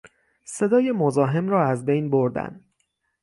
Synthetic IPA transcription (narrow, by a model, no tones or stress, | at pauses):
se̞d̪ɒːje̞mo̞zɒːɦe̞mrɒːæzbe̞jnbo̞ɾd̪æ̰nd̪